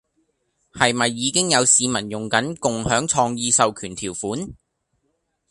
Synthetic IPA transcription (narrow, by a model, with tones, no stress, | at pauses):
hɐ˨jmɐ˨jːiː˨˧kɪ˥ŋjɐ˨˧wsiː˨˧mɐ˨˩njʊ˨˩ŋkɐ˨˥nkʊ˨ŋhœː˨˥ŋt͡ʃʰɔː˧ŋjiː˧sɐ˨wkʰyː˨˩nt̪ʰiː˨˩wfuː˨˥n